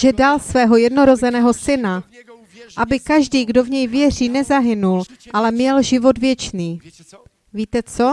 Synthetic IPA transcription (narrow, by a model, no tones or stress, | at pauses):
ʒɛdalsvɛːɦo̞jɛdno̞ɾo̞zɛnɛːɦo̞sɪna | ʔabɪkaʒdiːɡdo̞vɲɛjvjɛr̝iːnɛzaɦɪnulʔalɛmɲɛlʒɪvo̞d̪vjɛt͡ʃniː | viːt̪ɛt͡so̞